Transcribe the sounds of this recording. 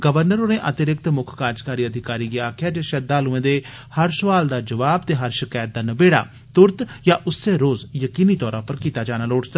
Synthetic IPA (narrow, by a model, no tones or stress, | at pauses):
ɡəʋəɾnəɾoːneːʔət̪ɪɾɪk̚t̪mʊkʰkaːɾd͡ʒkaːɾiːəd̪ʱɪkaːɾiːɡeaːkʰɪjaːd͡ʒeːʃəd̪aːlʊẽːd̪eː | həɾsʊʋaːld̪aːd͡ʒəʋaːb̚t̪eːɦəɾʃɪkaːjət̪̚d̪aːnəbeːɽa̰ː | t̪ʊɾt̪jaːʔʊsːeːɾoːzjəkiːniːt̪ɔːɾãːpəɾkiːt̪aːd͡ʒaːnaːloːʈsə